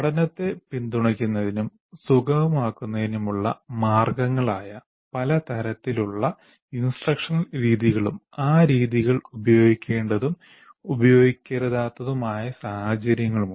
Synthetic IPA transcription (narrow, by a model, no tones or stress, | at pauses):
ɐɽɐnɐt̪ːe̞pind̪uɳɐkʲːunːɐðinum | suɡɐʋɐmaːkːunːɐðinumuɭːɐ̰maːrɡɐŋːɐɭaːjɐ | pɐlɐt̪ɐɾɐt̪ːiluɭːɐ | insʈrɐkʂɐnɾiːðiɣɐɭum | aːɾiːðiɣɐɭubɐjo̞ːɡikʲːe̞ːɳɖɐðum | ubɐjo̞ːɡikʲːɐɾɐðaːt̪ːɐðumaːjɐsahɐd͡ʑɐɾjɐŋːɐɭum